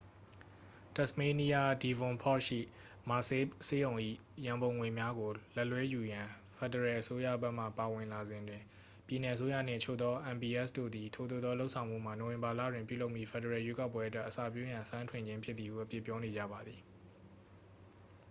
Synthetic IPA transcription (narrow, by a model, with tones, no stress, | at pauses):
tɛ˨sme˦ni˦a˦di˨vʊ̃˨pʰɔ˦ʃḭ˦˨ | ma˨se˦se˦jõ˨ʊ̃ʔḭ˦˨ | jã˨mbõ˨ʊ̃ŋwe˨mja˦ɡo˨lɛ˦ʔlwɛ˦ju˨jã˨ | fʰɛ˨də˨ɹɛ˨ʔəso˦jä̰˦˨bɛ˦ʔm̥ä̰˦˨pa˨wɪ̃˨nla˨zɪ̃˨ndwɪ̃˨ | pji˨nɛ˨ʔəs̬o˦jä̰˦˨n̥ɪ̰̃˦˨ət͡ɕʰo̰˦˨d̪ɔ˦ʔã˨mbi˨ʔɛ˦˨sdo̰˦˨d̪i˨tʰo˦˨o˦˨d̪ðɔ˦lo˦ʊʔsʰã˨ʊ̃m̥ṵ˦˨m̥a˨no˨wɪ̃˨mba˨lä̰˦˨dwɪ̃˨mpju˦˨lo˦ʊʔmːi˦˨pʰɛ˨də˨ɹɛ˨jwe˦ka˦ʊp̬ːwɛ˦ʔətwɛ˦ʔəsa̰˦˨p̬jo˦jã˨sã˦ntʰwɪ̃˨ɲd͡ʑɪ̃˦mpʰjɪ˦t̪t̪ːi˨hṵ˦˨ʔəpjɪ˦˨pːjɔ˦ne˨d͡ʑä̰˦˨ba˨d̪ði˨